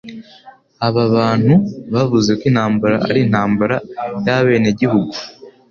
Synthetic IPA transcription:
aβaβaːn̥huβaβuze̞kwin̥haːmbaɾaa̰ɾin̥haːmbaɾajaβe̞ːne̞ɟihuɡu

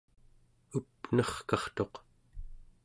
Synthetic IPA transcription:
upnʌχkɑχt̪o̞q

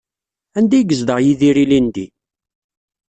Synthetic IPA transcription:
ænd̪æɡəzd̪əʁjiðiɾilind̪i

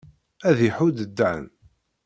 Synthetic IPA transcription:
æðjiħud̪əd̪ːʕ̰n

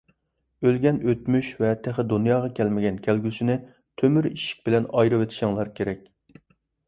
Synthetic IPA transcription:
ølɡʲɛnøt̪myʃvɛt̪ʰæχɪd̪unjɑːʁɑkʲʰɛlmɪɡʲɛnkʲʰælɡʲysɪnɪ | t̪ʰømyɾḭʃi̥k̚ʲbɪlɛnɑjɾɨwet̪ʰɪ̥ʃɪŋlˠɑɾkʲeɾɛk̚ʲ

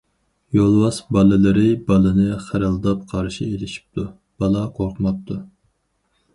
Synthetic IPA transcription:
jolˠwɑsbɑlˠɨlˠɨɾɨbɑlˠɨnɨχæɾɨlˠd̪ɑp̚qʰɑɾʃielɪʃi̥p̚t̪ʰu | b̥ɑlˠɑqʰoɾqʰmɑp̚t̪ʰu

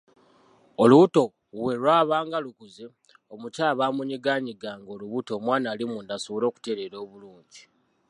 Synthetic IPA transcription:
oluβuto̞ | we̞lwaːβaːŋɡalukuze | omucaːβaːmuɲiɡaːɲiɡaːŋɡo̞ːluβuto̞ːmwaːnalimundasoβolo̞ːku̥te̞ɾeɾo̞ːβuluːɲɟi

